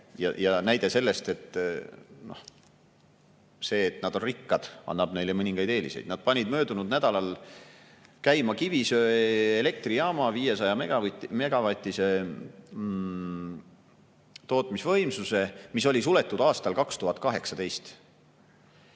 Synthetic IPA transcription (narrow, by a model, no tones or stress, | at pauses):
jɑ̰jɑnæjd̪̥e̞se̞lːe̞st̪e̞t̪ː | no̞̰h | se̞ːt̪nɑd̪̥o̞nrikːɑd̪̥ɑ̰nːɑb̥ne̞jlemɤnʲiŋɡ̥ɑjd̪e̞ːlḭsejd̪̥nɑd̪̥̚pɑnʲid̪̚mø̞ːd̪unud̪næd̪̥ɑlɑl | kæjmɑkivisøːele̞k̚t̪rijɑːmɑviːje̞sɑjɑmemeɡ̥ɑvɑt̪ʲːˑise̞ | t̪o̞ːt̪ˑmisvɤjmsuse̞miso̞lʲisule̞t̪ːˑud̪̥ɑːst̪ɑlkɑkst̪uɦɑt̪̚ːˑkɑɦe̞ksɑd̪̥e̞jst̪